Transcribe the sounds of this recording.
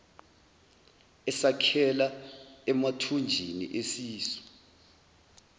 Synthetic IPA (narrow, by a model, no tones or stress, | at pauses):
ɛsakʰɛlaɛmatʰund͡ʒʱinḭʔesiːsɔ̥